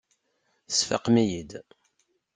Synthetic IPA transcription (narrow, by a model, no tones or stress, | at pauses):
sfɑ̰qmijid̪